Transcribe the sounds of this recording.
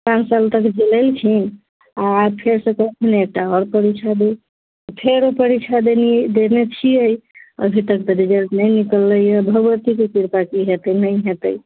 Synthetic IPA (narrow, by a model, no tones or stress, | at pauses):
pãnsalt̪əkd͡ʒeləlt͡ʃʰi | aːpʰeɾsə̃kəkʰinek̚ʈaɔɾpəɾit͡ʃʰad̪i | pʰeɾopəɾit͡ʃʰad̪enid̪enet͡ʃʰiəjə̰bʱit̪əkd̪əɾid͡ʒəlnəjnikəlːəjəbʱəɡʋət̪ikekiɾpakiɦet̪əjnəjɦet̪əj